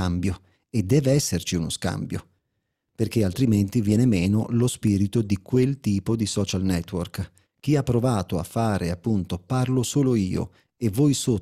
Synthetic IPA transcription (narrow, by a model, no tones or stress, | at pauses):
ambjo | ed̪ːɛːveɛsːert͡ʃiunoska̰mbjo | perkealt̪ɾiment̪ivjɛːnemeːnolospiɾit̪od̪ikwelt̪iːpod̪isɔːt͡ʃalnɛt̪ːwork | k̟iapːɾovaːt̪oa̰fːaːɾeapːunt̪oparlosoːloiːo̰ | evɔjso